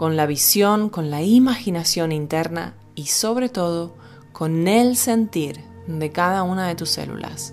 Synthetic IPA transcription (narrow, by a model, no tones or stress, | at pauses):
ko̞nlaβ̞isjo̞ŋko̞nlaimaxinasjo̞nint̪eɾna̰ | iso̞β̞ɾe̞t̪o̞ð̞o̞ | ko̞nelse̞nt̪iɾ | d̪e̞kaðaunaðe̞t̪usḛlṵla̰s